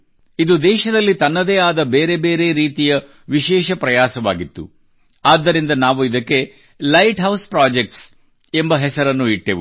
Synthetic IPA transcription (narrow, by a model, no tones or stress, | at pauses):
id̪ud̪ɛːʃɐd̪ɐlːit̪ɐnːɐd̪eːaːd̪ɐbeːɾe̞be̞ːɾe̞ɾiːt̪ijɐ | ʋiʃɛːʃɐpɾɐjaːsɐʋa̰ːɡit̪ːṵ | aːd̪ːɐɾind̪ɐnaːʋuid̪ɐkːe̞ | lɐjʈɦɐwspɾaːd͡ʒek̚ʈs | embɐɦɛsɐɾɐnːuiʈːeʋu